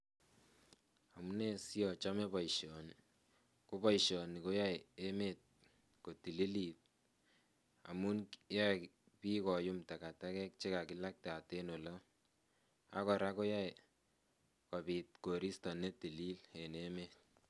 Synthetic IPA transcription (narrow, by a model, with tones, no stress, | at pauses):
a˨mu˦ne˦si˦ɔ˨t͡ʃa˦me˦pɔ˨iʃɔ˨ni˨ | ko˦pɔ˦i˨ʃɔ˨ni˨ko˦ja˦je˦me˨t̚ | ko˨ti˨li˦li˨t̚ | a̰˨mu˦nja˦˨ | pi˦kɔ˨ju˦mta˨ka˨ta˦kɛ˦k̚t͡ʃe˦ka˨kɪ˨la˦k̚ta˨te˦no˨lɔ˦ | a̰˦kɔ˨ɾa˦ko˦ja˦e˨ | kɔ˨bi˨t̚ko˨ɾi˦stɔ˨ne˦ti˨li˦le˨neme˦˨t̚